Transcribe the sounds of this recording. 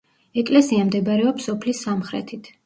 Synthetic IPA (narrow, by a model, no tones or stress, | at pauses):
ɛkʼlɛsiamd̪ɛbaɾɛɔpsɔpʰlisːamχɾɛ̰t̪ʰit̪ʰ